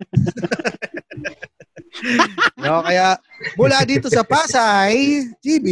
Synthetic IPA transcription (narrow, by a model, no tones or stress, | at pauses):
nokɐjamulad̪iːt̪osɐpaːsajt̪iːbi